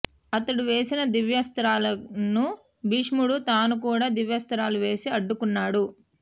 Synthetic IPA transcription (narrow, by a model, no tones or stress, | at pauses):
ɐt̪ɐɽuʋe̞ːsinɐd̪iʋjɐst̪ɐɾaːlɐnu | biʂmuɽut̪aːnukuːɽaːd̪iʋjɐst̪ɐɾaːluʋe̞ːsiɐɖːukunːaːɽu